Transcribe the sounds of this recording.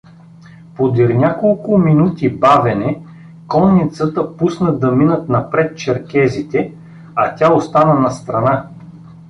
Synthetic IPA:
pod̪iɾnʲakolˠkʊminut̪ibavɛnɛ | kɔnːit̪sət̪əpusnəd̪ɐminət̪nɐpɾɛt̪̚t͡ʃɛɾkɛzit̪ɛ | ɐt̪ʲaost̪anənɐst̪ɾɐna

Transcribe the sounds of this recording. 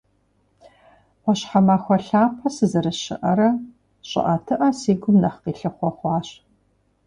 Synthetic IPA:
ɔɕħamaːxʷɔɬaːpʰɐsɨzɐɾɨɕɪ̰ʔɐɾɐ | ɕʼɪ̰ʔɐtʰɨʔɐsiːɡʷʊmnɐχqiːɬɨχʷɔχʷɑːɕ

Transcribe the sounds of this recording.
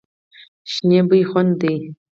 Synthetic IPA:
ʃneːbɨjχʷɔndej

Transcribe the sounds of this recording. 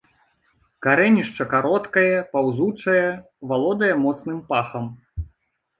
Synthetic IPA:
kaɾɛnʲiʂt͡ʂɐkaɾɔt̪kɐjɐpawzut͡ʂɐjɛ | valˠɔd̪ɐjɐmɔt̪snɨmpaxɐm

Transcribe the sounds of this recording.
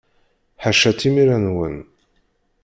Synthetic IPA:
ħaʃæt̪ːimiɾænwən

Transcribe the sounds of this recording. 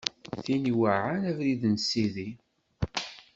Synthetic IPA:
θiniwaʕanævɾiðnsiði

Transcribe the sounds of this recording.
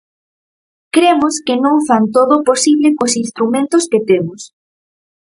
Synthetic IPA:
kɾemoskɪnõŋfant̪oðoposiβlɪkosinst̪ɾumẽnt̪ʊsket̪emʊs

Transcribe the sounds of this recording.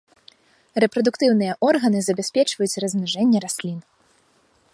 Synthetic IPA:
rɛpɾɐd̪ukt̪ɨwnɨjɐʔɔrɣɐnɨzɐbʲasʲpʲɛt͡ʂvɐjut͡sʲrɐzmnaʐɛnʲːɛɾasʲlʲin

